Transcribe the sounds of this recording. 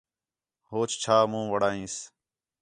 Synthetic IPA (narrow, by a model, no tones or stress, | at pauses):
hoːt͡ʃt͡ʃʰaːmũːʋəɽaːĩːs